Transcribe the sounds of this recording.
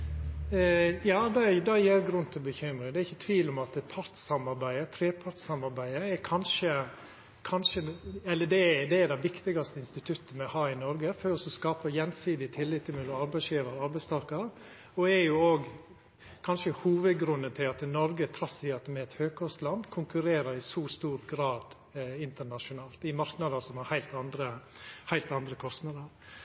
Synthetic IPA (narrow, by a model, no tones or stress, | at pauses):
jɑːd̪ɛd̪ɛjiːɾɡɾʉnːt̪ʰɪlbəçʏmɾɪŋd̪ɛɾɪçːət̪ʰʋiːlʊmɑt̪pʰɑɾt̪sɑmɑɾbæɪət̪ʰɾeːpʰɑɾt̪sɑmɑɾbæɪəɛkʰɑnʂə | kʰɑnʂəɛlːəd̪ɛd̪ɛːd̪ɛɪʋɪkt̪ɪɡɑst̪əɪnst̪ɪt̪ʰʉt̪ːənmɛhɑːɪnɔɾɡəføːɾɔsɔskɑːpəjɛnsiːd̪ɪt̪ʰɪlːɪt̪ʰːɪlmɪlɔmɑɾbæɪsjiːʋəɾɑɾbæɪst̪ʰɑɾkɑɾ | ɔɛɾjʊoːɡ | kʰɑnʂəhuːʋəd̪ɡɾʉnːət̪ʰɪlɑt̪nɔɾɡət̪ʰɾɑsɪɑt̪ːmɛɛt̪høːɡ̚kʰɔst̪lɑnd̪kʰʊŋkʉɾeːɾəɾɪsuːst̪uːɾɡɾɑːd̪ | ɪnt̪əɳɑʂʊnɑːlt̪ɪmɑɾknɑd̪əsɔmhɑɾhæɪlt̪ɑnd̪ɾə | hæɪlt̪ɑnd̪ɾəkʰɔst̪nɑd̪əɾ